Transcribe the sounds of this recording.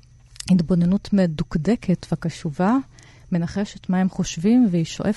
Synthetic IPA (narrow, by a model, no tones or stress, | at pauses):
hitbo̞ne̞nutmedukdekʰe̞tveakaʃuva | me̞naχe̞ʃetmahe̞mχo̞ʃvimveiʃo̞̰ʔef